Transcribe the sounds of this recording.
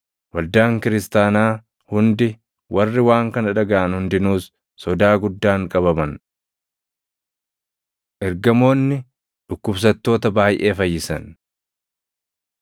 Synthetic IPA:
wɐld̪aːŋkɪɾɪst̪aːnaː | hʊnd̪ɪ | wɐrːɪwaːŋkɐnɐᶑɐɡɐʔːnhʊnd̪ɪnuːsː | ɔd̪aːɡʊd̪ːaːŋkʼɐβɐmɐn | ʔɛɾɡɐmo̞ːnːɪ | ᶑʊkːʊbs̬ɐt̪ːo̞ːt̪ɐbaːjʔe̞ːfɐjːɪsɐ̰n

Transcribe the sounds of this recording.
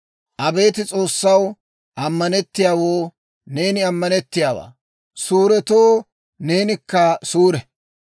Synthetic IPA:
ʔɐbe̞ːt̪ɪt͡sʼo̞ːsːɐw | ʔɐmːɐnɛt̪ːɪjaːwoː | ne̞ːnɪɐmːɐnɛt̪ːɪjaːwa̰ː | suːɾɛt̪oː | ne̞ːnɪkːɐsuːɾɛ

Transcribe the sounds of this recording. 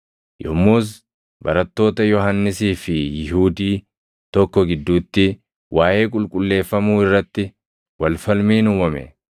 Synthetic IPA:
jʔɔmːuːs̬ | bɐ̰ɾɐt̪ːo̞ːt̪ɐjɔhɐnːɪsiːfɪjɪɦuːd̪iː | t̪ɔkːɔɡɪd̪ːuːt̪ːɪ | wʔaːʔe̞ːkʼʊlkʼʊlːe̞ːfːɐmuːɪrːɐt̪ːɪ | wɐlfɐlmiːnʊmɐmɛ̰

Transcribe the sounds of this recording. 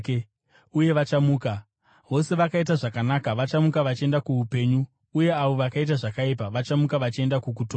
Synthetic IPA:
uje̞ʋat͡ʃamuːka | ʋo̞se̞ʋakaitaʐakanakaʋat͡ʃamukaʋat͡ʃe̞ndakuupe̞ːɲuː | je̞aʋo̞ʋakait̬aʐakaipaʋat͡ʃamukaʋat͡ʃie̞ndakuk̬utoː

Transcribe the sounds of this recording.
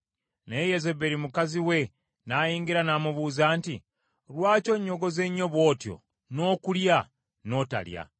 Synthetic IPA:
nejezebeɾimukaziwe̞ | najiːŋɡiɾanaːmuβuːzaːnti | ɾwaːco̞ɲːo̞ɡo̞ze̞ɲːo̞βwo̞ːtjo̞̰ | no̞ːkulja | no̞ːta̰lja̰

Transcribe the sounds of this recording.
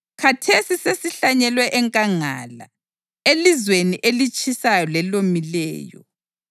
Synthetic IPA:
kʰatʰesisesiɬaɲɛlwɛʔɛŋkʼaŋa̰la̰ | elizweniʔelit͡ʃʼisajɔlɛlomilɛ̰ːjɔ̰

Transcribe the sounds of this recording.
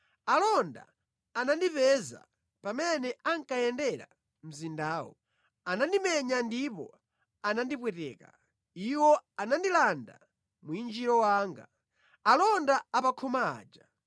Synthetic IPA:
alɔnda̰ | anandipɛza̰ | pamɛnɛaŋkajɛndɛɾa̰ | m̩zindaːwɔ̰ | anandimɛɲandipɔ̰ | anandipwɛtɛ̰ːka̰ | iwɔanandilanda̰ | muind͡ʒiɾɔwaːŋɡa̰ | alɔndaapakʰɔma̰ːd͡ʒa

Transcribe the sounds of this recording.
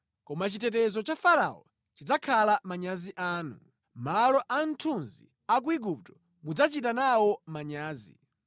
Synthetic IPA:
kɔmat͡ʃitɛtɛzɔt͡ʃafaɾa̰ɔ̰ | t͡ʃid͡zakʰalamaɲaziʔaːnṵ | malɔʔan̩tʰunzḭ | ak̬uiɡup̚tɔ̥ | mud͡zat͡ʃitanawɔmaɲaːzḭ

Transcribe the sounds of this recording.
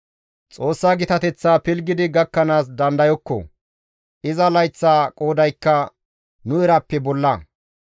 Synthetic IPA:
t͡sʼo̞ːsːaːɡɪt̪ɐt̪ɛt͡sːaːpɪlɡɪd̪ɪɡɐkːɐnaːs̬d̪ɐnd̪ɐjɔkːɔ̰ | ɪzɐlɐjt͡sːaːkʼoːd̪ɐjkːɐ | nʊɛɾɐpːɛbɔlːɐ

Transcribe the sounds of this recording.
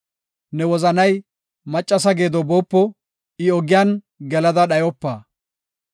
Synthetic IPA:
nɛwɔzɐnɐj | mɐt͡ʃʼːɐs̬ɐɡeːd̪ɔboːpːɔ | ɪɔɡɪjaːn | ɡɛlɐd̪ɐɗɐjɔpːaː

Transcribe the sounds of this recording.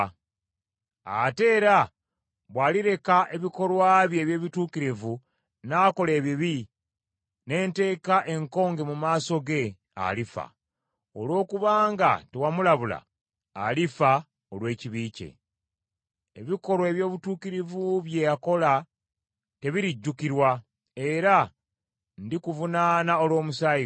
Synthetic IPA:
a̰te̞ːɾa | βwaːliɾe̞kaʔe̞βiko̞lwaːβje̞ːβje̞ːβituːkiɾivu | nako̞le̞ːβiβi | ne̞ːnte̞ːkaʔe̞ŋko̞ːŋɡe̞mumaːso̞ɡe̞ | a̰lifa̰ | olwo̞ːkuβaːŋɡa̰te̞wamulaβula̰ː | lifa | o̞lwe̞ːciβiːcḛ | eβiko̞ɾwoe̞βjo̞ːβutuːkiɾivuβjejako̞la | te̞βiɾiɟːukiɾwa | e̞ɾa | ndikuvunaːnao̞lwo̞ːmusaːi

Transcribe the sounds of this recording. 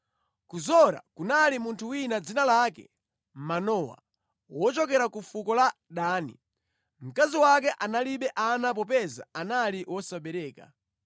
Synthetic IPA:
kuzɔɾa̰kunalimuntʰuwinad͡zinalakɛ̰ | m̩manɔwa̰ | wɔt͡ʃɔkɛɾakufukɔla | ɗaːnḭ | m̩kaziwak̬ɛʔanaliɓɛʔanap̬ɔp̬ɛza̰analiwɔsaɓɛɾɛːka̰

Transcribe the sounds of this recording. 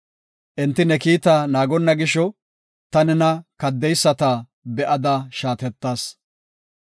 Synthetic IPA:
ʔɛnt̪ːɪnɛkiːt̪aːnaːɡɔnːɐɡɪʃɔ | t̪ɐnɛnɐkɐd̪ːɛjsːɐt̪ɐ | bɛʔɐd̪ɐʃaːt̪ɛt̪ːaːs

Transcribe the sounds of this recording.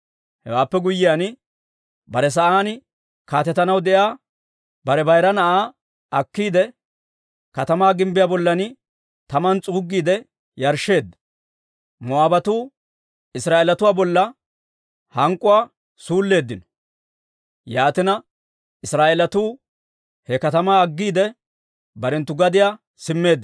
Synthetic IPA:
hɛwaːpːɛɡʊjɪjaːn | bɐɾɛs̬ɐʔaːnɪ | kaːt̪ɛt̪ːɐnɐwd̪ɛʔjaː | bɐɾɛbɐjɾɐnɐʔaː | ʔɐkːiːd̪ɛ | kɐt̪ɐmaːɡɪmbɪjaːbɔlːɐnɪ | t̪ɐmɐnt͡sʼuːɡːiːd̪ɛ | jɐɾʃːe̞ːd̪ːɐ̥ | mɔaːbɐt̪uː | ɪsɾaːʔelɐt̪ʊwaːbɔlːɐ | hɐŋkʼːʊwaː | suːlːe̞ːd̪ːɪnɔ̥ | jaːt̪ɪnɐ | ɪsɾaːʔelɐt̪uː | hɛkɐt̪ɐmaːɐɡːiːd̪ɛ | bɐɾɛnt̪ːʊɡɐd̪ɪjaː | sɪmːe̞ːd̪ːɪ

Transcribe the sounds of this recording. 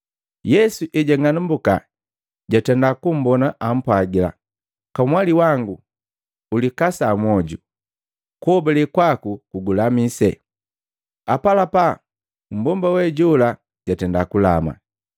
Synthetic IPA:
jɛsuʔɛɟaŋanumbuka̰ | ɟatɛndakum̩bɔnaʔam̩pwaɡila̰ | kamwaliwaŋɡu | ulikasamɔɟu | kɔbɛlɛkwakukuɡulamisɛ̰ | apalapa | m̩bɔmbawɛɟula | ɟatɛndakula̰ma̰

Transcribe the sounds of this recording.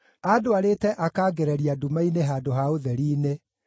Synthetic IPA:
adoaɾetɛʔakaːɡeɾɛɾiadumaineɦaːdoɦaoðɛɾiːne

